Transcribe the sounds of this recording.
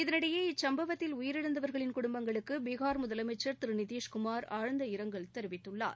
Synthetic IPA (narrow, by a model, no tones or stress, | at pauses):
ɪðɐnɪɽɐjeːɪt͡ʃsɐmbɐʋɐt̪ːɪlʊjɪɾɪɽɯnd̪ɐʋɐɾɣɐɭɪnkʊɽʊmbɐŋɡɐɭɯkːɯbeːɣaːɾmʊðɐlɐmɐɪt͡ʃːɐɾt̪ɪɾɯnɪðiːʂkʊmaːɾaːɻɐnd̪ɐɪɾɐŋɡɐɭt̪ɛɾɯʋɪt̪ːɯɭːa̰ːɾ